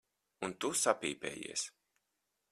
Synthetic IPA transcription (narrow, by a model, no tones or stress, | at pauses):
unt̪usapiːpɛ̰ːjḭɛs